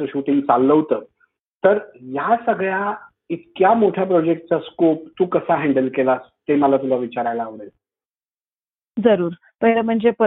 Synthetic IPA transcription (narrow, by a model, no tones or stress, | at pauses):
əɕuʈiŋɡt͡salːəwt̪əː | t̪əɾjasəɡɭja | it̪kjamoʈʰjapɾɔd͡ʑek̚ʈ̚t͡saskop̚t̪uːkəsaɦeɳɖəlkelast̪eməlat̪ulaʋit͡ɕaɾajlaːʋɭel | d͡zəɾuːɾ | pəɦjləm̤əɳd͡zep